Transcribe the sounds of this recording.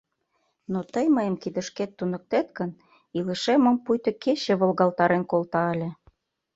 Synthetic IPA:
not̪əjməjə̆mkid̪ə̆ʃket̪ːunə̆k̚t̪et̪kən | ilə̆ʃemə̆mpujt̪ɤ̆ket͡ɕĕβolɣɑlt̪ɑɾenkolt̪ɑə̆lʲĕ

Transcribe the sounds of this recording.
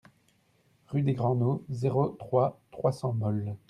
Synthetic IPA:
ʁyd̪eɡʁɑ̃nozeʁot̪χwat̪χwasɑ̃mɔl

